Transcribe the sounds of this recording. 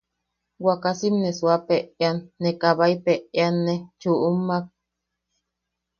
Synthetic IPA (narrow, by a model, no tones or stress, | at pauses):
wakasimneswapeeanːekaβaipeeanːet͡ʃuʔumak̚